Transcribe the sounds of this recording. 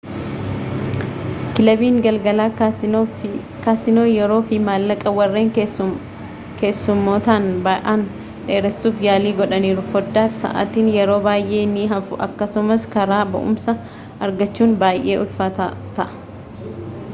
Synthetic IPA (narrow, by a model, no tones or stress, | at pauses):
kɪlɐbiːŋɡɐlɡɐlaː | kaːsɪno̞ːjɛɾo̞ːfɪmaːlːɐkʼɐwɐrːeːŋ | ke̞ːsːʊmːo̞ːt̪aːnbaːʔaːn | ᶑeːɾɛsːuːfjaːliːɡɔᶑɐniːɾʊfɔd̪ːaːfsɐ̰ʔa̰ːt̪iːnjɛɾo̞ːbaːjʔe̞ːnːiɦɐfʊʔɐ̰kːɐsʊmɐskɐɾaːbɐ̰ʔʊ̰msɐ | ʔɐɾɡɐt͡ʃːuːnbaːjʔe̞ːʊlfat̪ːt̪ɐʔɐ̥